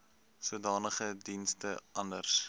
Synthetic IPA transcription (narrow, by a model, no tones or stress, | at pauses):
sudɑːnəχədinstəɐndərs